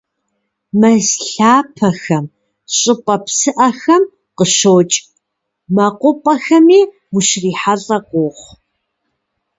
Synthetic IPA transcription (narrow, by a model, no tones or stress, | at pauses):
mɐzɬaːpʰɐxɐm | ɕʼɪpʼɐpsɨʔɐxɐm | qəɕoːt͡ʃʼ | mɐqʷʊpʼɐxɐmiː | wʊʃriːħaɮʼɐqʷoːχʷ